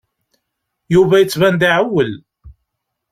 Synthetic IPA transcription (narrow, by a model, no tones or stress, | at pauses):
juvæjət͡sːvænd̪aʕəwːəl